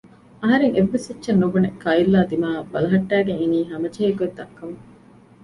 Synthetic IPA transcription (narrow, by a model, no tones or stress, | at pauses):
ɐɦɐɾeŋeʋːesɐtːʃɐnːubunekʰːɐilːaːd̪imaːbɐlɐɦɐʈːæːɡeŋeniːɦɐmɐd͡ʒeːkued̪ːɐkːɐŋ